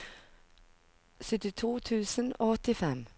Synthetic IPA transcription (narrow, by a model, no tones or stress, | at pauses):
sʏt̪ɪt̪ʰuːt̪ʰʉːsənoːɔt̪ɪfɛm